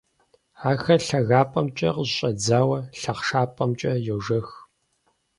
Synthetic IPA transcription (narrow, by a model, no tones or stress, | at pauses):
aːxɐɬɐɣaːpʼɐmt͡ʃʼɐ̰qəʑɕʼɐd͡zaːwɐɬɐqʂaːpʼɐmt͡ʃʼɐjɛwʐɐx